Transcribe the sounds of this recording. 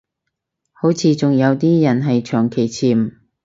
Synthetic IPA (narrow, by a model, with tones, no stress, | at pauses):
ho˨˥wt͡sʰiː˧t͡sʊ˨ŋjɐ˨˧wt̪iː˥jɐ˨˩nɦɐ˨jt͡ʃʰœː˨˩ŋkʰe˨˩jt͡sʰiː˨˩m̩˨